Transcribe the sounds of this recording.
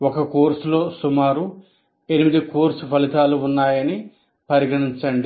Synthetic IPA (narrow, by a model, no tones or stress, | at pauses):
okɐkoːɾslo̞ːsumaːɾu | e̞nimid̪ikoːɾsupɐlit̪aːluunːaːjɐni | pɐɾiɡɐɽiɲt͡ʃɐɳɖi